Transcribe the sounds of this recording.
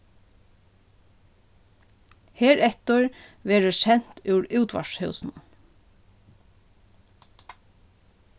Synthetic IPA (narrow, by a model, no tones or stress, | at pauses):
heːɹɛt̪əɹʋeːɾəʃɛn̥t̪ʉwɹʉːt̪ʋa̰ʂhœwsn